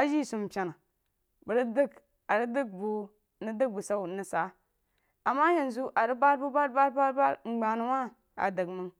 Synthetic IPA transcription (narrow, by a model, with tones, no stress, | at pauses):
a˦d͡ʒi˦su˨mpʲa˨na˨ | bə˨ɾi˦də˦k | a˨ɾi˦də˦ɡ̚bu˨ | ni˦də˦ɡ̚bu˨sa˦˨ni˨sa˨˦ | a˨mːa˦je˨nzu˦ʔa˨ɾi˦ba˦ɾbu˦ba˦ɾba˦ɾba˦ɾba˦ɾŋ͡m̩˨ɡ͡ba˨nu˨wa˦ | a̰˨də˨ɡmə˦ŋ